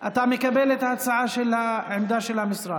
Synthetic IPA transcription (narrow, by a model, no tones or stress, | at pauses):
ʔat̪aːʕmɪkabeːlet̪hasaʕaʃɪlhaʕɪmd̪aʃɪlhamɪsˤɾˤɑː